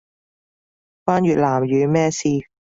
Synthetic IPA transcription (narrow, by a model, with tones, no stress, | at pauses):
faː˥nɥyː˨t̚laː˨˩mjyː˨˧˦mɛː˥siː˧